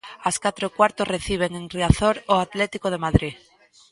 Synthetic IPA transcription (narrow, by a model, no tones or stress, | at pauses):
askat̪ɾokwaɾt̪osre̞θiβ̞e̞ŋenriaθoɾoat̪let̪ikoð̞emaðɾi